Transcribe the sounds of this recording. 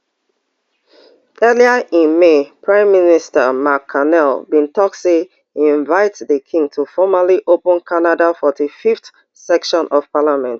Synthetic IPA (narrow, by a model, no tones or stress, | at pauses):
ɜliəʔĩnmepʰɹãɪ̃mːinistəmakʰːanɛlbĩntʰɔkse | ĩɱvaɪtðəkʰĩŋɡtʰufɔməliʔopə̃nkʰanadafɔtifift | sɛkʃɔ̃nʔɔv̥palamɛ̃nt